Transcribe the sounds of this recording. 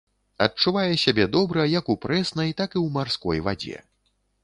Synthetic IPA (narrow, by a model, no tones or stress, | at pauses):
ɐt̚t͡ʂːuvajɛsʲabʲɛd̪ɔbɾɐjɐkupɾɛsnɐjt̪akiwmarskɔ̰jva̰d͡zʲɛ̰